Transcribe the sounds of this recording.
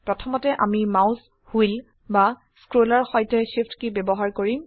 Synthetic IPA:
pɹɔtʰɔmɔtɛʔamimawz | hujl | ba | skɹolaɹxɔjtɛʃiftkibɛbɔɦaɹkoɹim

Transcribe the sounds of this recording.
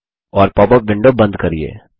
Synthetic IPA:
ɔːɾpɔːbəpʋɪ̃ɳɖobɐ̃nd̪kɐɾiḛː

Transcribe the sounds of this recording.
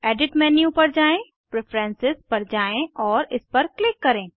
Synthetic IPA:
ɛːɖɪʈmɛ̃ːnijũpɐɾd͡ʒaːẽ | pɾefʰɾɛ̃nsɪzpɐɾd͡ʒaːẽɔːɾɪspɐɾklɪkːɐɾẽː

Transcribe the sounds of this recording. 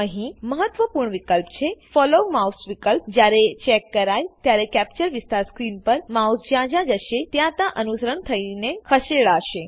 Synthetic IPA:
əɦĩməɦət̪ːʋəpuːɾɳʋikəlpt͡ɕʰefɔlomausʋikəlpd͡ʑaɾet͡ɕɛkːəɾajt̪jaɾekæp̚t͡ɕəɾʋist̪aɾskɾiːnpəɾmausd͡ʑjãd͡ʑãd͡ʒəʃet̪jãt̪ãʔənusəɾəɳt̪ʰəinekʰəʃeɭaəʃe

